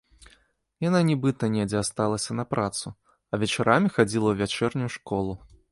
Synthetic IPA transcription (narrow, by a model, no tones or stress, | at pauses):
jananʲibɨt̪ɐnʲɛd͡zʲɛast̪alˠɐsʲɐnɐpɾat̪su | ɐvʲɛt͡ʂaɾamʲixad͡zʲilˠɐwvʲat͡ʂɛrnʲujuʂkɔlˠu